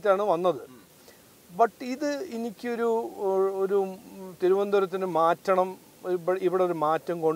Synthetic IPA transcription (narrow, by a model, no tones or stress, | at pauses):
tʲːaːɳɨʋɐnːɐðɨ | bɐʈːiðɨinikʲːɨo̞ɾuoɾut̪iɾuʋɐnd̪uɾɐt̪̬ːinɨmaːtːɐɳɐm | iʋiɽeoɾumaːtːɐmko̞ɳ